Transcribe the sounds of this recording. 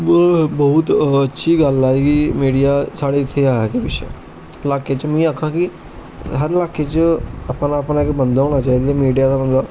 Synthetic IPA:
bəʊt̪ətːʃʰiːɡəlaːeːɡiːmiːɖijaːsaːɽeːɪt̪ʰːeaːɛkebɪt͡ʃʰḛ | laːkeːt͡ʃmĩːaːkʰãːkɪ | ɦəɾlaːkeːt͡ʃəəpnaːəpnaːɪkbənd̪oːɽ̃ãːt͡ʃaːiːd̪eːmiːɖijaːd̪aːbənd̪aː

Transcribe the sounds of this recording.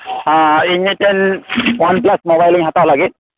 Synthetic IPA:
aiɲitɛnwanplasmɔbajliŋɦatawlaɡit̪̚

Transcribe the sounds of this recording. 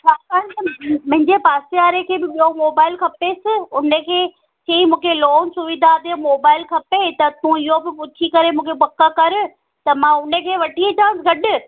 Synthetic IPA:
t͡ɕʰaːkaːnt̪mʊ̃ɦɪ̃ɲd͡ʑepaːseaːɾekʰeːbɪɓiːomoːbaːɪlkʰɐpesɪʊnəkʰeː | ʃɐimũːkʰeloːnsʊʋɪd̪ʱad̪emoːbaːɪlkʰɐpet̪ɐt̪ũɪɦobɪpʊt͡ɕʰikɐɾemũːkʰepɐkːakɐɾɪ̆ | t̪ɐmãʊnəkʰeːʋɐʈʰieʈ̪ʰãːsɡɐɗɪ̆

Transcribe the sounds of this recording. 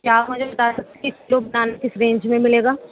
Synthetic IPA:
kjaːmʊd͡ʒʱebɐt̪aːsɐk̚t̪ekiklobɐnaːnakɪsɾẽːɲd͡ʒmẽmɪleːɡaː

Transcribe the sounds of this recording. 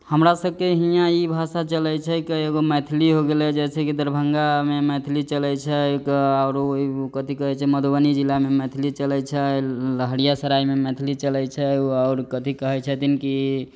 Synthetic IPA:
həmɾasəb̚ʱkeɦijãibʱasat͡ʃəlɛt͡ʃʰɛkeeɡomɛt̪ʰiliɦoɡelɛd͡ʒɛsʰɛkid̪əɾbʱəŋɡamemɛt̪ʰilit͡ʃəlɛt͡ʃʰɛkaʊɾkət̪ikəɦɛt͡ʃʰɛməd̪obənid͡ʒilamemɛt̪ʰilit͡ʃəlɛt͡ʃʰɛləɦəɽijasəɾajmemɛt̪ʰilit͡ʃəlɛt͡ʃʰɛaʊɾkət̪ikəɦɛt͡ʃʰɛt̪inki

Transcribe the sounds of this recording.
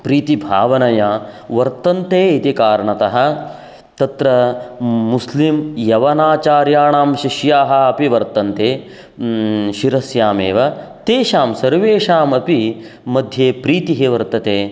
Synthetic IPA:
pɾiːt̪ibʱaːʋɐnɐjaʋɐɾt̪ɐnt̪eːit̪ikaːɾɐɳɐt̪ɐɦɐ̆ | t̪ɐt̪ɾɐː | uslimjɐʋɐnaːt͡ʃaːɾjaːɳaːmʃiʃjaːɦɐ̆ɐpiʋɐɾt̪ɐnt̪eː | ʃiɾɐsjaːmḛːʋɐt̪eːʃaːmsɐɾʋeːʃaːmɐpi | mɐd̪ʱjeːpɾiːt̪iɦiʋɐɾt̪ɐt̪eː

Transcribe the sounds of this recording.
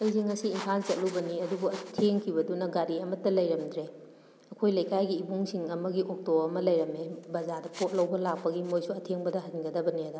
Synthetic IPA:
ɐjsʰiŋɐsiːmpʰant͡ʃɐt̚lubɐniɐdubuɐtʰeŋkʰibɐdunɐɡaɾiɐmɐtːɐlɐjɾɐmdɾe | ɐkʰojlɐjkajɡiːbuŋsiŋɐmɐɡiʔok̚toɐmɐlɐjɾɐmebɐzadɐpot̚lɐwbɐlak̚pɐɡimojsuɐtʰeŋbɐdɐɦɐiŋɡɐdɐbɐniɐdɐ

